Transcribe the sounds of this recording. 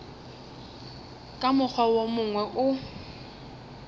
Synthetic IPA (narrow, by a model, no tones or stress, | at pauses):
kʼamʊk͡xʰwawomʊŋwɛʔʊ